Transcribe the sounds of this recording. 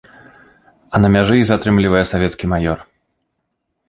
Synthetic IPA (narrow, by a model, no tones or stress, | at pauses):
ɐnɐmʲaʐɨzat̪ɾɨmlʲivɐjɛsavʲɛt̪skʲimajɔr